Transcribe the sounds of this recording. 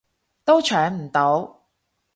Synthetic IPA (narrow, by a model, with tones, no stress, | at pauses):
t̪o˥wt͡ʃʰœː˨˥ŋm̩˨˩t̪o˨˥w